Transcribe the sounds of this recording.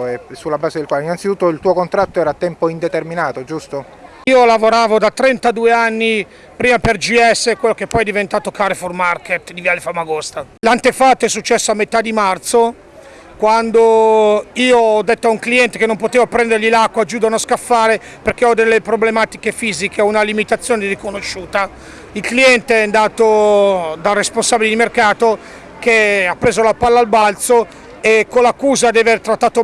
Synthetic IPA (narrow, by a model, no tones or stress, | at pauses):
ɛsulːabaːzed̪elkwaːleinant̪sit̪ut̪ːoilt̪uokont̪ɾat̪ːoɛːɾat̪ːɛmpoind̪et̪erminaːt̪od͡ʒust̪o | iːolavoɾaːvod̪at̪ɾɛnt̪ad̪uːeanːi | pɾiːmaperd͡ʒiɛsːekwelːokepːɔjɛd̪ivent̪aːt̪okaɾeformarket̪d̪ivjalːefamːaɡost̪alant̪efat̪ːoɛsːut͡ʃːɛsːoamːet̪ad̪ːimart̪so | kwand̪o | iːoɔd̪ːet̪ːoauŋkliɛnt̪ekenːompot̪eːvapɾɛnd̪eɾʎilakːwad͡ʒuːd̪anoskafːaːɾe | perk̟eɔd̪elːepɾoblemaːt̪ikefiːzikʰeunalimit̪at̪sːjoːnerikonoʃːuːt̪a | ilkliɛnt̪eɛnd̪aːt̪od̪aresponsabilid̪imerkaːt̪o | keapːɾeːzolapalːaːlbalt̪so | ekːolakːuːzad̪ɛveɾt̪ɾat̪ːaːt̪o